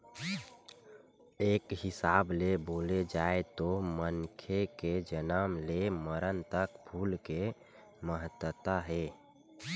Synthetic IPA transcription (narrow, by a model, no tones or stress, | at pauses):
eːkɦɪsableboːled͡ʒaet̪omənkʰeked͡ʒənaəmleməɾənt̪əkbʱuːlke | məɦət̪wət̪aɦe